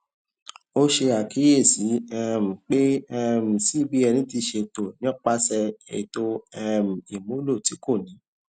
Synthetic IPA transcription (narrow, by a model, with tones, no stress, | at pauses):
o˦ʃe˧a˨kʰi˨˦je˦˨si˨˦ɛ˦m̩˨k͡pe˦ɛ˦˧m̩˨si˨˦bi˦ɛ˧nĩ˨˦ti˧ʃe˧to˨nĩ˦ɔ̃˦k͡pa˦sɛ˧ḛ˨to˧ɛ˦m̩˨i˨mõ˨˦lo˦˨ti˨˦ko˦˨nĩ˨˦